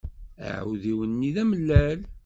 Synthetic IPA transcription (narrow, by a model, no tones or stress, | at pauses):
ə̰ʕwðiwənːiðæməlːæl